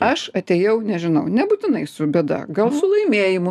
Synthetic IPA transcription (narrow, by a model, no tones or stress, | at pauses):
ɐʃɐt̪ʲejɛʊnʲɛʒʲɪnɐʊnʲɛbuːt̪ʲɪnɐɪsʊbʲɛːd̪ɐ̰ɡɐlˠsʊlˠɐɪmʲeːjɪmʊ